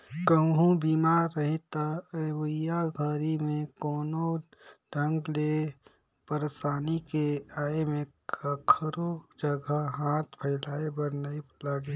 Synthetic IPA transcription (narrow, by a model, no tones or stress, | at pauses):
kəɦũbiːmaːɾːəɦit̪aɐwəjaɡʱəɾimẽkɔːnoɖʱə̃ŋɡle | pəɾsaːnikeaːemẽ | kʰəɾod͡ʒəɡʱəɦãːt̪ʰpʰəɪlaːebəɾnaːiplaɡ